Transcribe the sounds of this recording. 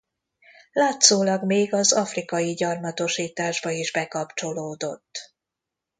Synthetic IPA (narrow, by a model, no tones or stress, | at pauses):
laːt̪soːlɒɡmeːɡɒzɒfrikɒjiɟɒrmɒt̪o̞ʃiːt̪aːʒbɒiʒbɛkɒpt͡ʃo̞loːd̪o̞t̪ː